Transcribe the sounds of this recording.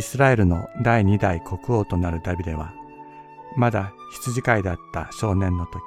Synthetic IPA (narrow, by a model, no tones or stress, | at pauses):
isɨɾae̞ɾɯ̟no̞d̪aiɲ̟id̪aikʰo̞kɯ̟o̞ːt̪o̞naɾɯ̟d̪abʲid̪e̞β̞a̰ | mad̪a | çi̥t͡sɨʑikaid̪at̪ːa̰ɕo̞ːnẽ̞nːo̞t̪o̞kʲ